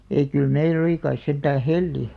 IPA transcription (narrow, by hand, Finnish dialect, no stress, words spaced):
ei kyl meil oli kɑis sentæː helːi